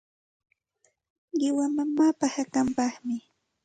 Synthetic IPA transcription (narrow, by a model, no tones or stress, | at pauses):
ɢɪwamamaːpahakampɑχmɪ